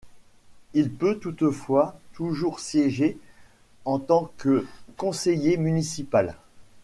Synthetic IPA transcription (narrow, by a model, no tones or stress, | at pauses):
ilpøt̪ut̪fwat̪uʒuʁsjɛʒe | ɑ̃t̪ɑ̃kəkɔ̃sejemynisipal